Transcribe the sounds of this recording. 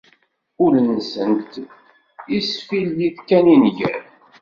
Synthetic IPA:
ʊlənsənt̪ | isfiljiθkæninʝæ̰ɾ

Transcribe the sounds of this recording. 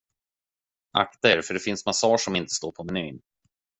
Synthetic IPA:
ʔa̰kt̪aɛɾfœɖɛfɪnsmasɑːʂɔmɪnt̪ə̥st̪oːɾpʰɔmɛnyːn

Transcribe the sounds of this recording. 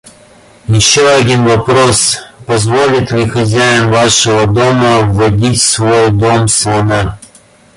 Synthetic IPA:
jɪɕːoɐdʲinvɐpɾospɐzvolʲɪt̪lʲɪxɐzʲæjɪnvaʂəvəd̪oməvːɐdʲitʲsvojd̪omslˠɐna

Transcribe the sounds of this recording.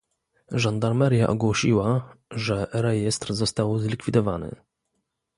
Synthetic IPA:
ʐand̪aɾmɛɾja̰ʔɔɡwɔɕiwaʐɛɾɛjɛst̪ɾzɔst̪awzlʲikfʲid̪ɔvanɘ̰

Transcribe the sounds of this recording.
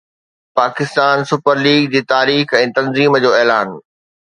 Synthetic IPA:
paːkɪst̪aːnsʊpəɾliːɡd͡ʑiːt̪aːɾiːxɛ̃ːt̪ɐ̃nziːmd͡ʑoːɛːlaːn

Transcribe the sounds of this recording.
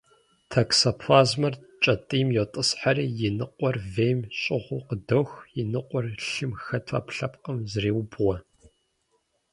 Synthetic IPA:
tʰɐksɐpʰaːzmɐr | t͡ʃʼɐtʼiːmjɛtʼɨsħariːjɪnɨqʷʼɔrveːjmɕʼɪʁʷʊqədɐwxjɪnɨqʷʼɔrɬɨmxɐtʰa̰pɬɐpqʼəmzreːwbwɔ

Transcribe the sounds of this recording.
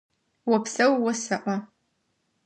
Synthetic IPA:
wɔpsɐwwɔsɐʔʷɐ

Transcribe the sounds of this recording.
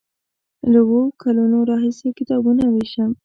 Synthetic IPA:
lawokʰalunoɾɑɦisekɪt̪ɑbunaweʃəm

